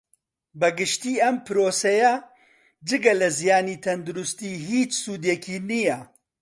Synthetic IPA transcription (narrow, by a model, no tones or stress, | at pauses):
bɐɡɨʃt̪iːɐmpɨɾoːsɐjɐ | d͡ʒɨɡɐlɐzijaːniːt̪ʰɐnd̪uɾʊst̪iːɦiːt͡ʃsuːd̪ekʰiːnijɐ